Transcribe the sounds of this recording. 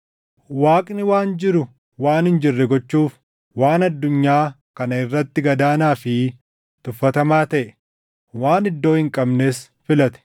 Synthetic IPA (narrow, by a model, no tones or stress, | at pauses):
waːkʼnɪwaːnd͡ʒɪɾʊ | waːnhɪnd͡ʒɪrːɛɡɔt͡ʃːuːf | waːnɐd̪ːʊɲːaː | kɐnɐɪrːɐt̪ːɪɡɐd̪aːnaːfɪ | t̪ʊfːɐt̪ɐmaːt̪ɐʔɛ | waːnɪd̪ːo̞ːhɪŋkʼɐbneːs | fɪlɐt̪ɛ̥